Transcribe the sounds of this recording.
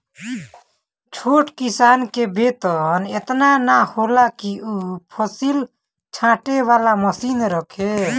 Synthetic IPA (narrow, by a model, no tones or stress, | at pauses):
t͡ʃʰoːʈkisaːnkebeːt̪ənet̪nanaholakiupʰəsil | t͡ʃʰãːʈeʋaːlaməsiːnɾəkʰe